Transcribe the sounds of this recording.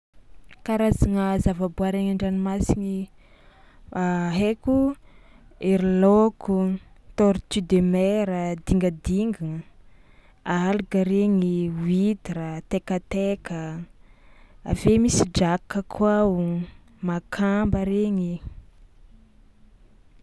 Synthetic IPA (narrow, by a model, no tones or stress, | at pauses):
kaɾazaŋəzavabuaɾeɲaɳɖ͡ʐanimasini | aɦeku | eɾilokut̪oɾt̪yd̪emeɾəd̪iŋɡəd̪iŋɡi | alukəɾeŋiwid̪iɾət̪ekət̪ekə | a̰vemisid͡ʒakːəkʰuawu | makʰambəɾeŋi